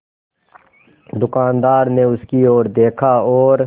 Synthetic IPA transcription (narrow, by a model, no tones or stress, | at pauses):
d̪ʊkaːnd̪aːɾneʊskioːɾd̪eːkʰaɔːɾ